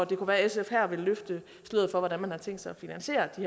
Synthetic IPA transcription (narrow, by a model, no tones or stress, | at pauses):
ɒd̥e̝kʰuʋæːɐesefhæɐ̰ʋe̝lːøfd̥ə | sleð̰̩ˠfɒ̽ʋɒdænmænhɑ̈t͡sʰeŋ̰d̥sɑ̈ɪɒfinænɕe̝̰ːɐd̥ih